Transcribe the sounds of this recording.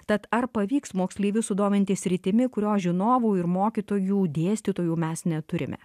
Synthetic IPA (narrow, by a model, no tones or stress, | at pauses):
t̪ɐt̪ɐɾpɐʋʲiːksmoːksʲlʲiːʋʲʊsʊd̪oːmʲɪnʲt̪ʲɪsʲɾʲɪt̪ʲɪmʲɪkʊɾʲoːʒʲɪnoːʋuːɪɾmoːkʲiːt̪oːjuːd̪ʲeːsʲt̪ʲiːt̪oːjuːmʲɛsnʲɛt̪ʊɾʲɪ̰mʲɛ̰